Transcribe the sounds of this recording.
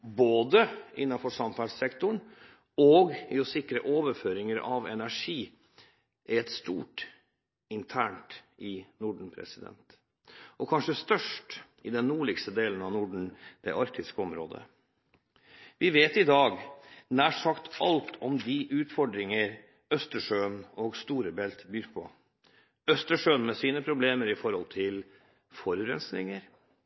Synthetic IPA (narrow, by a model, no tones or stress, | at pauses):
boːd̪əʔɪ̰nːɑfɔʂɑmfæssɛkt̪ʊɳ | ɔɡɪɔsɪkɾəʔoːʋəɾføːɾɪŋəɾɑ̰ʋɛ̰næʂiː | ʔæɾɛt̪st̪ṵːʈ | ɪnt̪ʰæːɳʈʔɪnʊɖɳ̩pʰɾɛ̰sɪd̪ɛ̰nt̪ | ʔɔkʰɑnʂəst̪œʂʈ | ɪd̪ɛnːuːɭɪkst̪əd̪eːlənɑʋnʊɖɳ̩d̪̥ɛ̰ʔɑɾkt̪ɪskəɔmɾo̰ːd̪ə̰ | ʋɪʋeːt̪ɪd̪ɑːɡnæːʂɑkt̪ʰɑlt̪ʰɔmd̪ɪʔʉːt̪fɔɖɾɪŋəɾ | œst̪əʂøːnɔɡst̪uːɾəbɛlt̪byːɾpʰɔ̰ | œst̪əʂøːnmɛsiːnəpʰɾʊbleːməɾɪfɔɾhɔlt̪ʰɪl | fɔɾʉɾɛ̰nsnɪ̰ŋəɾ